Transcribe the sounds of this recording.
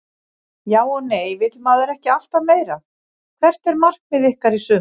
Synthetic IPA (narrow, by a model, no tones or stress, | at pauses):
jaːwɔɣneːjvɪt̪maːðʏɾɛhcɪast̪ameːjɾa | kʰvɛr̥t̪ɛɾmar̥k̚vɪðɪhkaɾisʏ